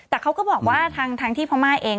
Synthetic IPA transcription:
t̪ɛː˨˩kʰa˦˥wkɔː˥˩bɔː˨˩k̚waː˥˩t̪ʰaː˧ŋt̪ʰaː˧ŋt̪ʰiː˥˩pʰɔ˧˥maː˥˩ʔeː˧ŋ

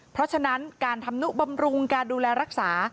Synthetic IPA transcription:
pʰɾɔ˦˥t͡ɕʰa˧na˦˥nkaː˧nt̪ʰa˧mnu˦˥ʔba˧mɾu˧ŋkaː˧nduː˧lɛː˧ɾa˦˥k̚saː˩˦

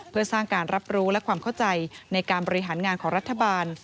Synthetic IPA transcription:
pʰɯ˥˩ɐsaː˥˩ŋkaː˧nɾa˦˥p̚ɾuː˦˥lɛ˦˥kʰwaː˧mkʰa˥˩wt͡ɕa˧jna˧jkaː˧nbɔ˧ɾi˦ɦaː˩˦nŋaː˧nkʰɔː˩˦ŋɾa˦˥t̪ʰːa˧baː˧n

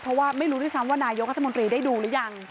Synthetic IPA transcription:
pʰɾɔ˦˥waː˥˩ma˥˩jɾuː˦˥da˥˩sa˨˦˥mwaː˥˩naː˧jo˦˥k̚ɾt̪ʰːmo˧nt̪ɾiː˧daː˥˩jduː˧lɯː˨˦˥ja˧ŋ

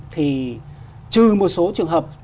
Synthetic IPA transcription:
t̪ʰi˨˩ | t͡ɕɨ˨˩mo˨˩t̚so˨˦t͡ɕɨ˨əŋɦəː˨˩p̚

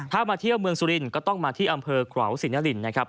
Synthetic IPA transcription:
t̪ʰaː˥˩wmaː˧t̪ʰi˥˩əwmɯ˧əŋsu˧ɾi˧nkɔː˥˩t̪ɔ˥˩ŋmaː˧t̪ʰiː˥˩ʔa˧mpʰɤː˧kʰɾwa̰˩˦wsi˨˩˦na˧li˧nːa˦kʰɾa˦˥p̚

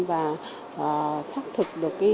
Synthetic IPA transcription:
nvaː˨˩˨ | saː˦˥k̚t̪ʰɨ˨˩k̚ɗɨ˨˩əkːa˨˦

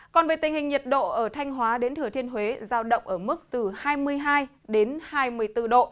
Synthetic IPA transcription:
kɔ˨˩nvə˨˩t̪ï˨˩ŋ̟hï˨˩ŋ̟ɲə˨˩t̚ɗo̰˧˨ʔəː˧˩t̪ʰa˧jŋ̟ɦwaː˨˦ɗe˨˦nt̪ʰɨ˨˩ət̪ʰi˧ənhwe˨˦zaː˧wɗə̰˧˨wŋ͡mʔəː˧˩mɨ˦˥k̚t̪ɨ˨˩haː˧jmɨ˧əjɦaː˧j | ɗe˨˦nhaː˧jmɨ˧˩əjt̪ɨ˧ɗo̰˧˨

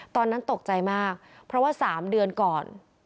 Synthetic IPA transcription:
t̪ɔː˧nːa˦˥nt̪o˨˩k̚t͡ɕa˧jmaː˥˩k̚pʰɾɔ˦˥waː˥˩saː˩˦mdɯ˧ənkɔː˨˩n

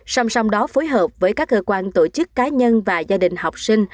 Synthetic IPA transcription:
sa˧wŋ͡msa˧wŋ͡mɗɔ˨˦fo˨˦jɦəː˨˩p̚vəː˨˦jkaː˦˥kːəː˧kwaː˧nt̪o̰˧˩t͡ɕɨ˦˥kːaː˨˦ɲə˧nvaː˨˩zaː˧ɗï˨˩ŋ̟ha˨˩wk͡p̚sï˧ŋ̟

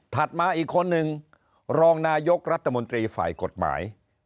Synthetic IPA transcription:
t̪ʰa˨˩t̪̚maː˧ʔiː˨˩kʰːo˧nːɯ˨˩ŋ | ɾɔː˧ŋnaː˧jo˦˥k̚ɾa˦˥t̪ʰːa˧mo˧nt̪ɾiː˧fa̰ː˨˩jko˨˩t̪̚ma̰ː˩˦j

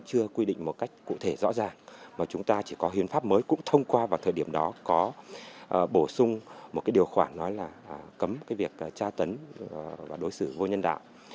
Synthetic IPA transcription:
t͡ɕɨ˧əkwi˧ɗḭ̈˧˨ŋ̟mo˨˩t̚ka˦˥jk̟̚kṵ˧˨t̪ʰe˧˩zɔ̰˧˥zaː˨˩ŋmaː˨˩t͡ɕʊ˨˦ŋ͡mt̪aː˧t͡ɕi˧˩kɔ˨˦hwi˨˦ənfaː˦˥p̚məː˨˦jkʊ̰˧˥ŋ͡mt̪ʰə˧wŋ͡mkwaː˧vaː˨˩t̪ʰəː˨˩jɗi˧˩əmɗɔ˨˦kɔ˨˦ʔɓo˧˩sʊ˧ŋ͡mmo˨˩t̚kaː˨˦jɗi˨˩əwxwaː˧˩nːɔ˨˦jlaː˨˩kə˨˦mkaː˨˦jvi˨˩ək̚ːt͡ɕaː˧t̪ə˨˦n˨vaː˨˩ɗo˨˦jsɨː˧˩vo˧ɲə˧nɗa̰ː˧˨wʔ

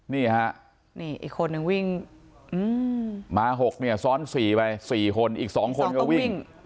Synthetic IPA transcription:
niː˥˩ha˦˥ʔ | niː˥˩ʔḭ˨˩kʰːo˧nːɯ˧ŋwi˥˩ŋ | ʔɯː˧maː˧ɦo˨˩k̚ni˥˩ɐsɔː˦˥nsiː˨˩pa˧jsiː˨˩kʰo˧nʔḭː˨˩k̚sɔː˩˦ŋkʰo˧nkɔ˥˧wi˥i˩˥˩ŋ

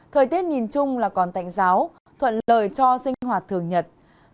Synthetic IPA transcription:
t̪ʰəː˨˩jt̪i˦˥ət̚ɲi˨˩nt͡ɕʊ˧ŋ͡mlaː˨˩kɔ˨˩nt̪a̰˧˨jŋ̟zaː˨˦w | t̪ʰwə̰˧˨nlləː˨˩jt͡ɕɔ˧sï˧ŋhwaː˨˩t̚t̪ʰɨ˨˩əŋɲə˨˩t̚

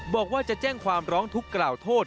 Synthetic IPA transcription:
bɔː˨˩k̚waː˥˩t͡ɕa˨˩t͡ɕɛː˥˩ŋkʰwaː˧mɾɔː˦˥ŋt̪ʰu˦˥kːlaː˨˩wt̪ʰoː˥˩t̪̚

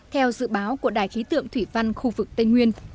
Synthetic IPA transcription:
t̪ʰɛ˧wzɨ̰˧˨ɓaː˨˦wku˧˩əɗaː˧˩jxi˨˦t̪ɨ̰˧˨əŋt̪ʰwi˧˩va˧nxu˧vɨ˨˩k̚t̪ə˧jŋwi˧ən

